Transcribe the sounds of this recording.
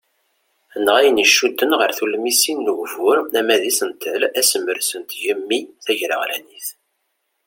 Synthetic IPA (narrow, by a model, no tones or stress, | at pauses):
ənəʁæjəniʃːud̪ːənʁəɾθulmisinːəʝvʊɾæmæðisənt̪ʰəlæsəmːəɾsənt̪ʝəmːiθæʝɾə̰ʁlæ̰niθ